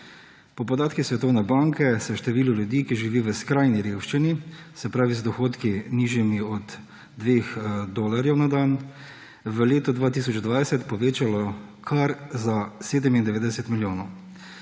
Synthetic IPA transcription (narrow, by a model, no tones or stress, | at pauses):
pɔpɔd̪aːt̪kisʋɛt̪ɔwnɛbaŋkɛsɛʃt̪ɛʋiːluljud̪iːkiʒiʋiːʋəskɾajniɾeːwʃt͡ʃinisɛpɾaːʋizd̪ɔxoːt̪kiniːʒjimiɔd̪ː | ʋeːxd̪olaɾjɛwnad̪aːn | ʋəleːt̪ɔd̪ʋaːt̪iːsɔt͡ʃd̪ʋajsɛt̪pɔʋeːt͡ʃalɔkʰaɾzaseːd̪ɛmind̪ɛʋeːd̪ɛsɛt̪miljoːnɔw